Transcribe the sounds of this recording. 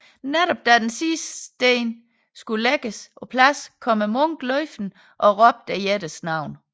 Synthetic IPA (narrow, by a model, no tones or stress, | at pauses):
neɾ̥ɒb̥̚d̥æd̥ensisd̥eːn | sɡ̥uleɡ̥əsʔɒ̽pʰlæskʰɒ̽məmɔŋ̰ɡ̥lɒɪfd̥n̩ | ʔɒ̽ʁɒ̽b̥̚d̥æjeɾ̥əsnɑ̈ʊ̰n